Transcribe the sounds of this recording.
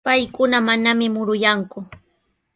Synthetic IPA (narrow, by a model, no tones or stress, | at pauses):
pajkʊnamanamɪmʊɾʊjaŋkʊ